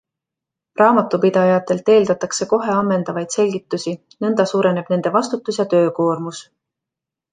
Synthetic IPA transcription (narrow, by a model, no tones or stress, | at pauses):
rɑːmɑt̪ːˑupid̪̥ɑjɑt̪ːˑe̞lt̪e̞ːld̪̥ɑt̪ːˑɑkse̞ko̞ɦe̞ɑmːe̞nd̪̥ɑvɑjd̪̥se̞lʲɡit̪ːˑusi | nɤnd̪̥ɑsuːɾe̞ne̞b̥ne̞nd̪e̞vɑst̪ut̪ːˑusjɑt̪ø̞ːko̞ːrmus